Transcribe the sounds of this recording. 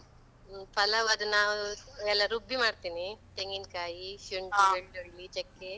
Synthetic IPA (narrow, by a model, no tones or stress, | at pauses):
pɐlɐʋɐd̪ɐnːaːʋuɛlːɐɾubːimaːɽt̪iːnit̪eŋɡinkaːjiʃuɳɖieɭuɭːit͡ʃekːe